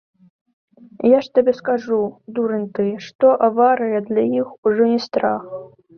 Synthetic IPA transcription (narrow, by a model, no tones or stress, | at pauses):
jaʂt̪abʲɛskaʐud̪uɾɨnʲt̪ɨʂt̪ɔʔavaɾɨjɛd̪lʲajixuʐɔnʲist̪ɾax